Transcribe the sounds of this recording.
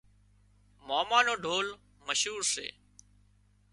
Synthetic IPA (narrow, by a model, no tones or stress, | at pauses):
moːmaːnoːɖʱoːl | məʃɦuːɾsḛː